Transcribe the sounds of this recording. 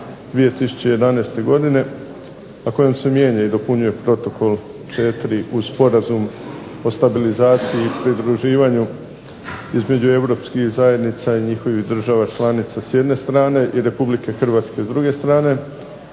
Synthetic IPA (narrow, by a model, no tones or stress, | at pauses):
d̪ʋije̞t̪isu̥t͡ɕeje̞d̪anest̪e̞ɡo̞d̪ine̞ | nako̞jo̞mse̞mje̞ːɲaid̪o̞puɲuje̞pɾo̞t̪o̞ko̞lˠ | t͡ʃe̞t̪ɾiʔupo̞ɾazum | o̞st̪abilizaːt̪sijiːpɾid̪ɾuʒiːʋaɲu | izme̞d͡ʑue̞wɾo̞pskixzaje̞d̪nit̪saiɲixo̞ʋiɣd̪r̩ʒaʋat͡ʃlˠaːnit̪sasjed̪ne̞st̪ɾaːne̞ʔiɾe̞publike̞xrʋaːt̪ske̞zd̪ɾuɡe̞st̪ɾaːne̞